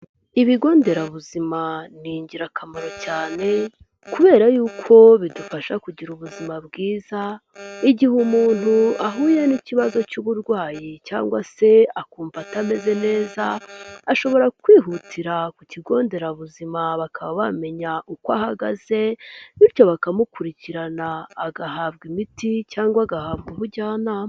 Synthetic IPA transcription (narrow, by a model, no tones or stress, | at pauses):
iβiɡo̞ːnde̞ɾaβuzimaniːɲɟiɾakʰamaɾo̞caːne̞ | kuβe̞ːɾajuːkʰo̞βidufaʃakuɟiɾuβuzimabɡiːza | iɟihumuːn̥huaɦuːjeniciβazo̞cuβuɾɡwaːjicaːŋɡwase̞akuːɱvatame̞ze̞ne̞ːzaːʃo̞βo̞ɾakwiːɦutʰiɾakuciɡo̞ːnde̞ɾaβuzimaβakʰaβaβame̞ɲaʔukwahaɡaz̥e̞βiɾco̞βakamukuɾiciɾanaːɡaɦaβɡimiticaːŋɡwaɡahaːβɡuβuɟaːnam